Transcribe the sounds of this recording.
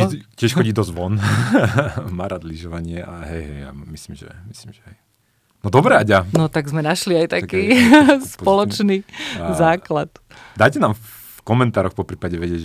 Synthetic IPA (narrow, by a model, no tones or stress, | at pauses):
cːɪɛʃxɔɟiːd̪ɔzʋɔn | maɾad̪liʒɔʋaɲɪɛʔaɦɛjɦɛja̰misliːmʒɛ̰misliːmʒɛɦɛj | nɔd̪ɔbɾɛaɟanɔt̪aɡzmɛnaʃliajt̪akiːsppɔlɔt͡ʃnizaːklat̪ | d̪ajcɛnaːmf | kɔmɛnt̪aːɾɔxpɔpɾiːpaɟɛʋɛɟɪɛɟ